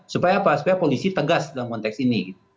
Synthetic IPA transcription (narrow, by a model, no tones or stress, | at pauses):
supajaːpasu̥pajapolisit̪əɡasdalamkɔnt̪ɛksiniɡit̪̚u